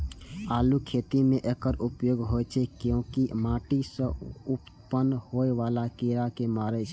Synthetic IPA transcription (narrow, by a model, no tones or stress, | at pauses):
alukʰet̪imeʔekəɾupjoɡɦojt͡ʃʰɛkeũkimãʈisə̃up | pənhoeʋalakiɾakemaɾɛt͡ʃʰɛ